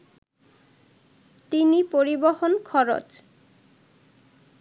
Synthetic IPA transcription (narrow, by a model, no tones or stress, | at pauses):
t̪inipoɾibohonkʰɔɾo̰t͡ɕ